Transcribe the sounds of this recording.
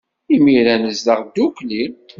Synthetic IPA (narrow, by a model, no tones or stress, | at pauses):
imiɾænəzðəʁd̪ːukli